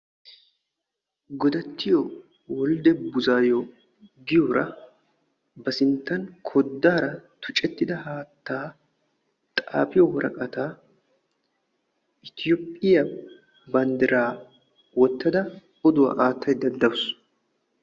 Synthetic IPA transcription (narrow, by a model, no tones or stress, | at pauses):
ɡɔd̪ɐt̪ːɪjo | wɔld̪ɛbʊzaːjo | ɡɪjoːɾʔɐ | bɐsɪnt̪ːɐnkʰɔd̪ːaːɾɐt̪ʰʊ̥t͡ʃʼɛt̪ːɪd̪ɐhaːt̪ːaː | t̪ʼa̰ːpɪjɔwɔɾʔɐ̰kʼɐt̪aː | ʔɪt̪ɪjopʼːɪjɐ | bɐnd̪ɪɾaː | wɔt̪ːɐd̪ɐ | ɔd̪ʊwɐ̰ʔaːt̪ːɐjd̪ɐd̪ːɐwʊs